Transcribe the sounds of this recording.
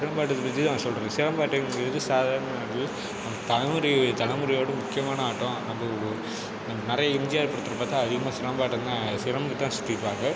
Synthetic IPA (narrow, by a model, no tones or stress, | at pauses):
sɪɾɐmbaːʈ̬ːɐt̪ːɐpɐd͡ʒɯt̪ãːsɔlɾɐsɪɾɐmbaːʈːɐɡɾɐðɯsaːðaːɾɐɳɐɽɪl | nɐmt̪ɐɳɐmɯɾit̪ɐnɐmɯɾɐjoːɽɯ̃mʊkːɪjɐmaːnɐaːʈːõnɐmbɐ | nɐɐnɪɾɐjɐɪmd͡ʒɪjaːɾpɐɽɯt̪ːɯɾɐpaːt̪ːɐɐðɪɣɐmaːsɪɾɐmbaːʈːɐnd̪asɪɾɐmɡɯt̪ːãːsʊ̥t̪ːiɾɯʋaːŋɡɐ